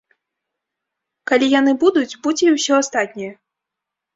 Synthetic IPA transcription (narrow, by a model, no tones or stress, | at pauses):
kalʲijan̪ɨbud̪ut͡sʲbud͡zʲɛiwsʲɔast̪at̪ʲnʲijɛ